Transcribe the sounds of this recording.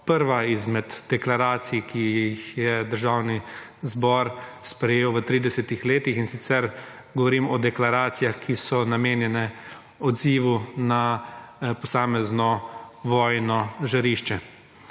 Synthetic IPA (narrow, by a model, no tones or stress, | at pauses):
pəɾʋaizmɛd̪d̪̥ɛklaɾaːt̪sijkʰiixjɛd̪əɾʒaːwni | zbɔɾspɾɛjeːwʋət̪ɾiːd̪ɛsɛt̪ixleːt̪ixinsit̪sɛɾ | ɡɔʋɔɾiːmɔd̪ɛklaɾaːt̪sijaxkʰisɔnameːnjɛnɛ | ɔd̪ziʋuna | pɔsaːmɛznɔʋɔːjnɔʒaɾiʃt͡ʃɛ